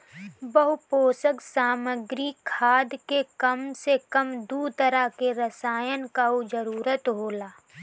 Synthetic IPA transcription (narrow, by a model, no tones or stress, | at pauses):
bəɦupoːsəksaːməɡɾikʰaːd̪kekəmsekəmd̪uːt̪əɾakeɾəsaːjənkaɦod͡ʒəɾuːɾət̪ɦoːlaː